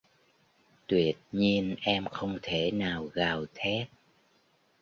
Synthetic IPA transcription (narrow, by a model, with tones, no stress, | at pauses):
t̪wi˨˩ət̚ɲi˧ənʔɛ˧mxə˧wŋ͡mt̪ʰe˧˩naː˨˩wɣaː˨˩wt̪ʰɛ˦˥t̚